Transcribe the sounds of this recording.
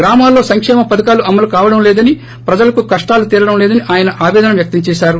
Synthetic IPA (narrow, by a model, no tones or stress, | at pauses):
ɡɾaːmaːlːo̞ːsɐŋkʂɛːmɐpɐd̪ɐkaːluʔɐmːɐlukaːʋɐɽɐmlɛːd̪ɐni | pɾɐd͡ʒɐlɐkukɐʂʈaːlut̪iːlɐɽɐmlɛːd̪ɐniʔaːjɐnɐʔaːʋɛːd̪ɐnɐmʋjɐk̚t̪ɐɲt͡ʃɛːʃaːɾu